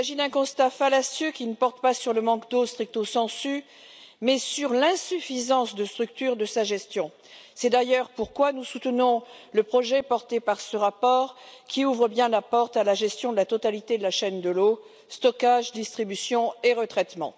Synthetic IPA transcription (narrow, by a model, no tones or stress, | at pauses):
saʒid̪ɛ̃kɔ̃st̪afalasjøkʲinəpɔʁt̪pasyʁləmɑ̃kd̪ost̪χik̚t̪osɑ̃sy | mɛsyʁlɛ̃syfizɑ̃sd̪əst̪χyk̚t̪yʁd̪əsaʒɛst̪jɔ̃ | sɛd̪ajœʁpuʁkwanusut̪ənɔ̃ləpχɔʒɛpɔʁt̪epaʁsəʁapɔʁkʲiuvʁəbjɛ̃lapɔʁt̪alaʒɛst̪jɔ̃d̪əlat̪ɔt̪alit̪ed̪əlaʃɛnd̪əlo | st̪ɔkaʒd̪ist̪χibysjɔ̃eʁət̪χɛt̪mɑ̰̃